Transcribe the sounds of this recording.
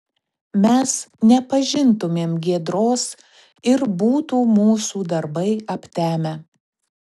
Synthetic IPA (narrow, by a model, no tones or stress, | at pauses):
mʲɛsnʲɛpɐʒʲɪnt̪ʊmʲeːmɡʲiɛd̪ɾoːs | ɪɾbuːt̪uːmuːsuːd̪ɐɾbɐɪɐpʲt̪ʲæːmʲɛ